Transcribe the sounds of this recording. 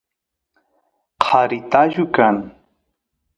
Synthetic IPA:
qʰɑɾɪt̪aʒʊkaŋ

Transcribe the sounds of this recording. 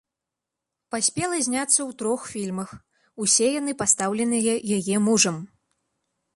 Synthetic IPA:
pasʲpʲɛlˠɐzʲnʲat̪sːɐwt̪ɾɔxfʲilʲmɐx | usʲɛjan̪ɨpast̪awlʲɛnɨjɐjajɛmuʐɐm

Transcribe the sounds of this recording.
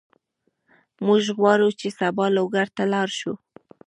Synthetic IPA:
mʊʒɣwɑɾut͡ʃesabɑloɡaɾt̪alɑɾʃu

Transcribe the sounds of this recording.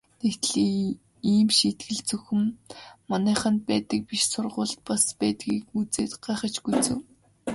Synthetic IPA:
nekt̪ɮiː | iːmʃit̪ɡɘ̆ɮt͡sɵxɘ̆mːanæːχə̆npæːt̪ə̆k̚piʃsʊrʁʊːɮt̪̚paspæːt̪ɡiːkut͡seːt̪ɢ̥aːχə̆t͡ɕɡut͡sɘ̆w

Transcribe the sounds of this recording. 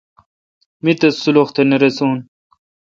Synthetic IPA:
mit̪ɐsuloxt̪ʰeneɾesuːn

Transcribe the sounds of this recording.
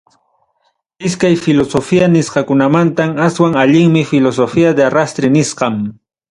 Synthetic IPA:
ɪskajfɪlosofianɪsqɑkʊnamant̪amaswaŋaʎɪŋmɪfɪlosofiad̪earast̪ɾɪnɪsqɑm

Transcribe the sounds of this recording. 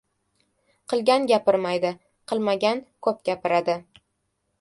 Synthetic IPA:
qʰɨlˠɡʲanɡʲapɪɾmajd̪ɪ | qʰɨlˠmaɡʲankʰɵp̚ɡʲapɪɾad̪ɪ

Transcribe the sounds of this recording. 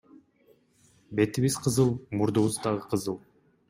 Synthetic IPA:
be̞t̪iβizqʰəzɯlˠmuɾd̪uβuzd̪ɑʁəqʰəzɯlˠ

